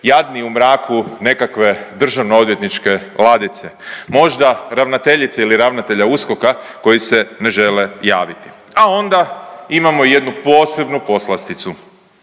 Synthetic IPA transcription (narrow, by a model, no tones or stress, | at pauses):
jad̪niumɾaːkʰune̞kakʋe̞d̪r̩ʒaʋnoo̞d̪ʋje̞t̪nit͡ʃke̞lˠad̪it̪semo̞ʒd̪aɾaʋnat̪e̞ʎit̪seiliɾaʋnat̪e̞ʎausko̞kako̞jise̞ne̞ʒe̞le̞jaːʋit̪i̥ | ao̞nd̪aimamo̞ije̞d̪nupo̞ːse̞bnupo̞slast̪it̪su